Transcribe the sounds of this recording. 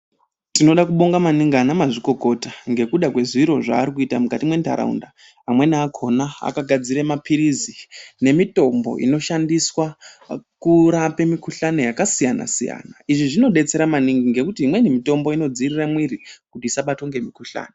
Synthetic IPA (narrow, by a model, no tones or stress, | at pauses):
tino̞ɗakuɓo̞ŋɡamaniŋɡanamaʐiko̞ko̞taŋɡe̞kuɗakwe̞ziɾo̞ʐa̰ːɾikuitamukatimwe̞nta̰ɾa̰ṵndaː | mwe̞naakʰo̞naa̰kaɡʱad͡ziɾemapʰiɾizine̞mito̞mbo̞̰ʔḭno̞ʃandiswakuɾape̞mikuɬano̞jakasijana̰sija̰ːnaiʐiʐino̞ɗe̞t͡se̞ɾamaniŋɡiŋɡe̞kutiɦimwe̞nimito̞mbo̞ino̞d͡ziriramwirikutisaɓato̞ŋɡe̞mikuɬa̰ːno